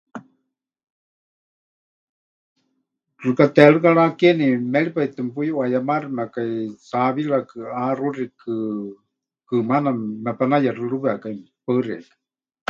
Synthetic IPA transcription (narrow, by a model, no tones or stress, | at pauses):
rɨkat̪ɛɺɨkaɺakɛnimɛɺipait̪ɨmpujwajamaɾinakaisaβiɺakɨarurikɨ | kɨmanamɛpanajarɨɺɨβɨakai | paɨrɛ̰kḁ